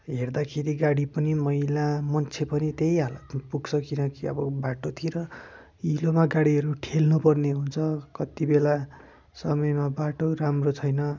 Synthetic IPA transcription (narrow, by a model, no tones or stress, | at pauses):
ɦerd̪akʰeɾiɡaɽipʌnimʌilamʌnt͡sʰepʌnit̪ejalʌt̪puɡsʰʌkinʌkiʌ̰bʌbaʈot̪ʰiɾʌ | ilomaɡaɽiɦʌɾuʈʰelnupʌrneɦunt͡sʰʌkʌt̪ibela | sʌmʌjmabaʈoɾamrot͡sʰʌjnʌ